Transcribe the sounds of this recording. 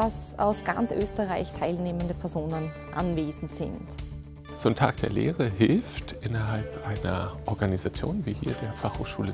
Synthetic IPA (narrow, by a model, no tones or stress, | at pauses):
asa̰ʊsɡ̥a̰nt͡sʔøːstəʁaɪçtʰaɪlneːməndəpʰɛɐzoːnən | ʔa̰nveːzn̩tz̥ɪ̰nt | t͡soːntʰa̰ːk̚d̥eːɐlḛːʁəɦɪlftʔɪnɐɦalpʔaɪnɐʔɔɐɡanizat͡sjo̰ːnviːhḭːɐdeːɐfaχho̰ːχʃṵːlə